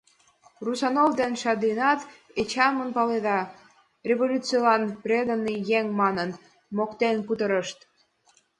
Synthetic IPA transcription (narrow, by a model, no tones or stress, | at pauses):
rusɑnovd̪enʃɑd̪inɑt̪ | et͡ɕɑmənpɑled̪ɑ | rʲevolʲut͡silɑnprʲed̪ənːijeŋmɑnən | mokt̪enkut̪əɾəʃt̪